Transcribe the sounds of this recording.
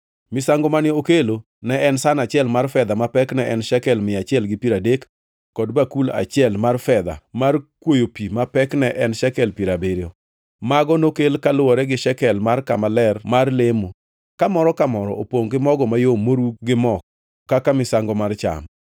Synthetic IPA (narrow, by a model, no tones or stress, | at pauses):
mɪsaŋɡɔmanɪokelo | nɛɛnsanat͡ʃɪɛlmarfɛd̪amapɛknɛʔɛnʃɛkɛlmɪat͡ʃɪɛlɡɪpiɾadekː | ɔdbakula̰t͡ʃɪɛlmarfɛd̪a̰markwojopimapɛknɛʔɛnʃɛkɛlpiɾabeɾjɔ | maɡɔnokelkalʊwɔɾɛɡɪʃɛkɛlmarkamalɛrmarlɪmo | kamɔɾɔkamɔɾɔopoŋɡɪmɔɡɔmajomoɾuɡɪmɔkː | akamɪsaŋɡɔmart͡ʃa̰m